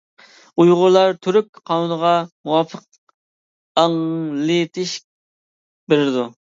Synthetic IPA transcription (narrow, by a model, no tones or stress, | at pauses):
ujʁʊɾlˠɑɾt̪ʰyɾyk̚ʲqʰɑnunəʁɑmuwɑpʰəq̚ | ɑŋlɪt̪ʰɪʃk̚ʲ | beɾɪɾɪd̪u